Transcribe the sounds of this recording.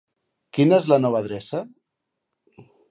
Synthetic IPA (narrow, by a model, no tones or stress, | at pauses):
kinəezlənɔβ̞əðɾɛsə